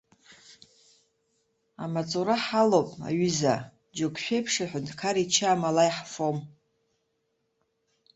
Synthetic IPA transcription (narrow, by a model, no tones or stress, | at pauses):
a̰mat͡sʼuɾaħalopʼa̰ɥʏza | d͡ʒokʷʰʃᶣejpʰʂaħʷʊntʰkʰaɾit͡ʃʰaːmalajħfom